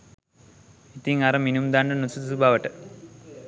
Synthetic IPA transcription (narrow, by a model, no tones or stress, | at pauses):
it̪iŋaɾɐminumd̪aːɳɖɐnut͡subaːʋɐʈːɨ